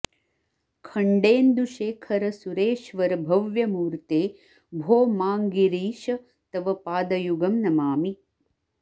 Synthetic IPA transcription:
kʰɐɳɖeːnd̪uʃeːkʰɐɾɐsuɾeːʃʋɐɾɐbʱɐʋjɐmuːɾt̪eː | bʱoːmaːŋɡiɾiːʃɐ | t̪ɐʋɐpaːd̪ɐjuɡɐmnɐmaːmi

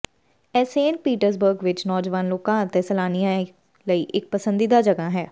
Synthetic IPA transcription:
ɛseːnpiːʈəɾs̬bəɾɡʋɪt͡ʃnɔːd͡ʒʋaːnloːkãːət̪ẽːsəlaːnijã | ləiːʔɪk̚pəsənd̪iːd̪aːd͡ʒəɡaːɦɛː

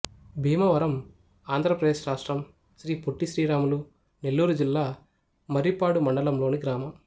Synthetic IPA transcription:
bʱiːmɐʋɐɾɐm | aːnd̪ʱɾɐpɾɐd̪eːʃɾaːʂʈɾɐm | sɾiːpoʈːiʃɾiːɾaːmulu | nelːuːɾud͡ʒilːaː | mɐɾipaːɽumɐɳɖɐlɐmloːniɡɾaːmɐm

